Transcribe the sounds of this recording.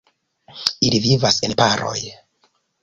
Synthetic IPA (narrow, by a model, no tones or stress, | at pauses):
ilivivasenpaɾo̞̰j